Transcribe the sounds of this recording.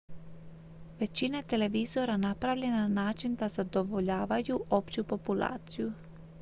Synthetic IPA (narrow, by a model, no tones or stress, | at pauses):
ʋe̞t͡ɕinet̪e̞le̞ʋizo̞ɾanapɾaʋʎe̞nanaːt͡ʃind̪azad̪o̞ʋo̞ʎaːʋajuʔo̞pt͡ɕupo̞pulˠa̰ːt̪siju